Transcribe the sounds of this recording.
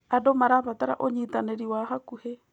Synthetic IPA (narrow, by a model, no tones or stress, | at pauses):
adomaɾaβataɾa̰ʔoɲitaneɾiwaɦakuhe